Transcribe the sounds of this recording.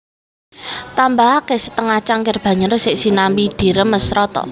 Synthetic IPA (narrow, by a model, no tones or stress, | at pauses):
t̪ambaɦakesə̥t̪əŋat͡ʃaŋkerb̥ä̤ɲəɾsɪʔsinambid̪̥i̤ɾəmːəsɾɔt̪ɔ̰